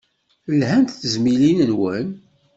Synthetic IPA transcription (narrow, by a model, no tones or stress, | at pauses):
lɦænt̪θəzmilinənwən